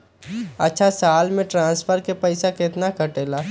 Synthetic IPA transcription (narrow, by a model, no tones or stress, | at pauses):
ətːʃʰasaːlmẽʈɾãːnsfʰəɾkepɛɪsakɪt̪nakəʈeːlaː